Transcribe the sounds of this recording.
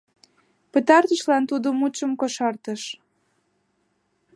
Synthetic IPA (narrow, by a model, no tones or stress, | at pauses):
pət̪ɑrt̪əʃlɑnt̪ud̪əmut͡ɕəmkoʃɑrt̪əʃ